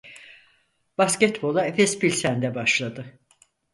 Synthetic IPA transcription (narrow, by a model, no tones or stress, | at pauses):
b̥ascɛt̪bo̞lˠaefɛspilʲsænd̪ɛbaʃlˠad̪ɯ